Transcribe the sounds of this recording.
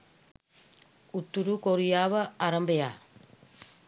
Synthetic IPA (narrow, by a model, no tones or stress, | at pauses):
ut̪ːuɾukoɾijaːʋɐaɾɐmbɐja̰